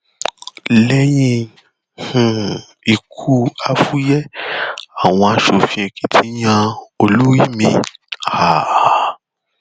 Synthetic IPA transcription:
lɛ˦jĩ˧ | hũ˨ | i˨kʰu˦a˧fu˦jɛ˦ | a˨w̃ɔ̃˧a˧ʃo˨fĩ˧˦ɛ̃˨ki˦tʰi˦ɲã˧o˧lu˦wi˦mĩ˧ha˨

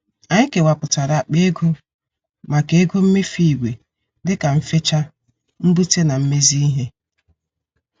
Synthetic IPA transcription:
a˨ɲɪ˦ke˨wa˨pʊ˨ta˨ɾa˨k͡pe˦ɡu˦ | ma˨ke˨˦e˦ɡu˦m̩˦me˦fi˦˨ɡʷe˨ | dɪ˦ka˨m̩˨fɪ˦t͡ʃa˦ | m̩˦bu˦te˦na˨m̩˦me˦zi˦i˦ɦe˦

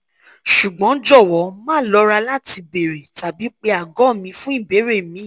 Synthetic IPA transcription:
ʃu˨ɡ͡bɔ̃˨˦d͡ʒɔ˦˨wɔ˨˦mãː˦˨lɔ˧˦ɾa˧la˦ti˧be˨ɾe˨ta˨bi˨˦k͡pe˧a˨ɡɔ̃˨˦˨mĩ˧fũ˦i˦˨be˨˦ɾe˦˨mĩ˨˦

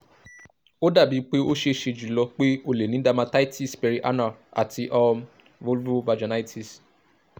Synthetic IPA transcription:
o˦da˦˨bi˨˦k͡pe˦o˦ʃe˧˨ʃe˧˨d͡ʒu˨lɔ˧k͡pe˦o˧le˨nĩ˨˦da˦˧mã˧ta˦i˦ti˦˨spɛ˧ɾi˧ʔa̰˦na˨a̰˨ti˧ʔɔ˧m | vo˦lvva˧d͡ʒa˨na˦i˦tʰi˨s

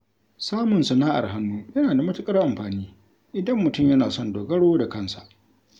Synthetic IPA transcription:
saː˦mʊ˨nsɐ˨naː˦ʔa̰˨rɦa˦nːuː˦jɐ˦naː˨da˨mɐ˦tʊ˦kʼɐ˦rʔa˨mɸaː˨niː˦ | ʔɪ˨dɐ˦mːʊ˨tʊ˦˨mjɐ˦naː˨sɔ˦˨ndoː˨ɡɐ˦ɽoː˦da˨kɐ˦˨nsa˨ʔ

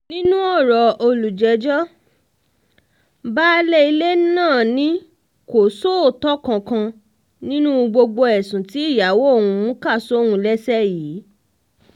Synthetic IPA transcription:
nĩ˦nũ˦ɔ˦˨ɾɔ˨o˧lu˨d͡ʒɛ˨˦d͡ʒɔ˦ | baː˦lɛ˦i˧le˦nãː˦˨nĩ˨˦ | ko˨so˦˨tɔ˦kã˧kã˧ | nĩ˦nũ˦˧ɡ͡bo˧ɡ͡bo˧ɛ˨sũ˨ti˨˦i˦˨ja˨˦wo˦o˦˨wũ˧mũ˦ka˦˨so˦wũ˧lɛ˦sɛ˦jiː˨˦

